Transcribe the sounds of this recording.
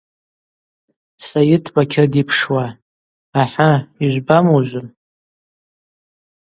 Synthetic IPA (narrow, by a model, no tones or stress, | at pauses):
sajɪtʰbakʲʰɪrdipʰʂwaː | ħaiʒʷbamoʒʷʊn